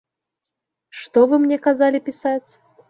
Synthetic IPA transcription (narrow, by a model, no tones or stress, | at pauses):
ʂt̪ɔvɨmnʲɛkazalʲipʲisat͡sʲ